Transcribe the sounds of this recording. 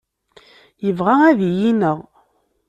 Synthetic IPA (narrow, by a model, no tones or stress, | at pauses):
jəvʁaæðijinəʁ